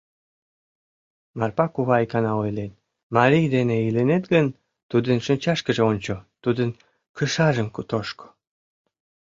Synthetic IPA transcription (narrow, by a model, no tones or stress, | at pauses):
mɑrpɑkuβɑikɑnɑojlet̪̚ | mɑɾijd̪eneilenet̪ɡən | t̪ud̪ənʃənʲt͡ɕɑʃkəʒeonʲt͡ɕot̪ud̪ən | kəʃɑʒəmkut̪oʃko̥